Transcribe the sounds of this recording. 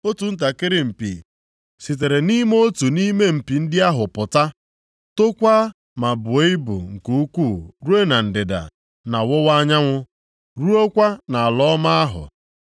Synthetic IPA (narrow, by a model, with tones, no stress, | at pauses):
o˦tu˨n̩˦t̬a˨kɪ˦ɾɪ˦m̩˨pḭ˨ | si˨t̬e˨ɾe˨ni˦me˦o˦tu˨ni˦me˦m̩˨pi˨n̩˦dɪ˦a˦ɦʊ˨pʊ˨ta˦ | to˦kʷa˦ | ma˨bʊ˨e˦ɪ˦bʊ̰˨ŋ̩˨ku˦u˦kʷu˦˨ɾu˦e˦na˨n̩˨dɪ˨da̰˨ | na˨wʊ˦wa˦ɲa˦ŋʷʊ˦ | ɾu˦o˦kʷa˦na˨a˨lɔ˦ma˦a˦ɦʊ̰˨